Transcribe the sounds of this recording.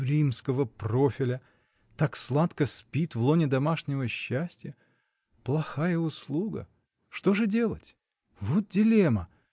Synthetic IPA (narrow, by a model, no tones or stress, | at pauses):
ɾʲimskəvəpro̞fʲɪlʲə | t̪akslˠat̪kəspʲit̪vlˠonʲɪd̪ɐmaʂnʲɪvəɕːæsʲtʲɪjə | plˠɐxajəʊslˠuɡə̰ | ʂt̪o̞ʐɨdʲe̞lˠətʲ | vot̪̚dʲɪlʲemə